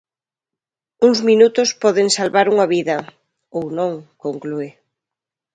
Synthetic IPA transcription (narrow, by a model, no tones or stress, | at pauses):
uŋzminut̪ʊspɔðeŋsalβaɾuŋɐβiðɐ | ownõŋkoŋkluɪ